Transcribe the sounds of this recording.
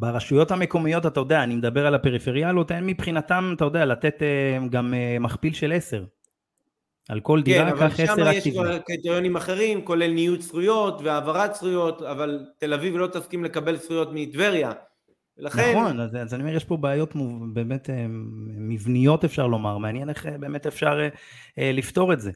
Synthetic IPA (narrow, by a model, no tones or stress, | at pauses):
beʁaʃujo̞thame̞ko̞mijo̞tat̪ajo̞d̪ejaːnimed̪abe̞ʁalape̞ʁifeʁjalo̞t̪enmipχinat̪amat̪ajod̪ealate̞t̪eɡamemaχpilʃele̞se̞ʁ | a̰lko̞ld̪iʁaavkaχeseʁaʃt̪iaʁket̪eʁjonimaχe̞ʁimko̞le̞lnijutsʁujo̞t̪veaːvaʁatsʁujo̞t̪avalt̪e̞lavivlo̞t̪afkimle̞kabe̞lsʁujo̞tmiːt̪ve̞ʁja | velaχneχnonazazaniomejeʃpo̞beːjo̞tmube̞ːme̞temivnijo̞te̞fʃaʁlo̞maʁmeanjene̞χebe̞ːme̞tefʃaʁe | lift̪o̞ʁe̞tze̞